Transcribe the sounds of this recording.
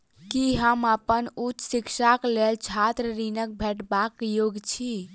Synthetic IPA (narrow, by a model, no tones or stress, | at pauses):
kiɦəməpənut͡ʃsiksaklelt͡ʃʰat̪ɾəɾinək̚bʱɛʈbakjoɡt͡ʃʰi